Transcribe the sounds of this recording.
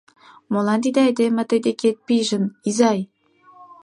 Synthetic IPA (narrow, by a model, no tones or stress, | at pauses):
molɑnt̪̬id̪eɑjd̪emĕt̪əjd̪eket̪̚piʒə̆mizɑj